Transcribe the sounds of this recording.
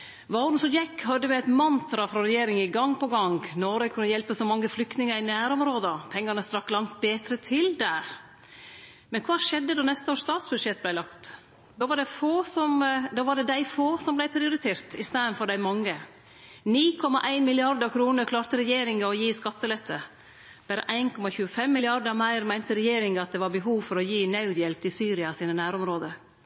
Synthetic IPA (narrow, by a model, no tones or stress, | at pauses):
ʋɑɾnsɔmjɛkːhɑd̪ːəmɛɛt̪mɑnt̪ɾɑfɾɑɾɛjeːɾɪŋɪɡɑŋːpʰɔɡɑŋɡnɔɾəkʰʉnːəjɛlpəsɔmɑŋːəflʏkt̪nɪŋəɾɪnæːɾɔmɾoːd̪ɑpʰɛŋːɑnəst̪ɾɑkːlɑŋt̪̚beːt̪ɾət̪ʰɪld̪æːɾ | mɛnkʰʋɑːʂɛd̪ːəd̪oːnɛst̪əoːʂt̪ɑːt̪sb̥ʉd̪ʂɛt̪̚ːblæɪlɑkt̪ | d̪oːʋɑɖɛfoːsɔmd̪ɑːʋɑɖɛd̪æɪfoːsɔmblæɪpʰɾɪʊɾɪt̪ʰeːɾt̪ɪst̪eːənfɔɾɖæɪmɑŋːə | niːkʰɔmːɑ̰ʔæɪnmɪlɪɑɾd̪əɾkʰɾuːnəɾkʰlɑːɾt̪əɾɛjeːɾɪŋəɔjiːskɑt̪ːəlɛt̪ʰːə | b̥æːɾə̰ʔæɪnkɔmɑçʉːəfɛmːɪlɪɑɾd̪əɾmæɪɾmæɪnt̪əɾɛjeːɾɪŋɑt̪̚d̪ɛʋɑɾbəɦuːʋfɔɾɔjiːnɑʉd̪jɛlp̚t̪ɪsyːɾɪɑsiːnənæːɾɔmɾoːd̪ə